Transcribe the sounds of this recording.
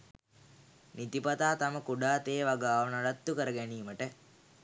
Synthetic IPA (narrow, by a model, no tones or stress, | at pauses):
nit̪ipat̪aːt̪aməkuɖaːt̪eːʋaɡaːʋənaɖat̪ːukəɾəɡæniːməʈə